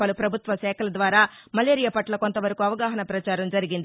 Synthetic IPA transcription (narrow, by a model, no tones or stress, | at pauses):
ɐlupɾɐbʱut̪ʋɐʃɛːkʰɐlɐd̪ʋaːɾaː | mɐleːɾijɐpɐʈlɐko̞nt̪ɐʋɐɾɐkuɐʋɐɡaːɦɐnɐpɾɐt͡ʃaːɾɐmd͡ʒɐɾiɡind̪i